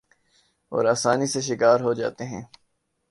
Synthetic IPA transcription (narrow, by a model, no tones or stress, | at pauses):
ɔ̰ːɾaːsaːniseʃɪkaːɾɦod͡ʒa̰ːt̪eɦɛ̃ː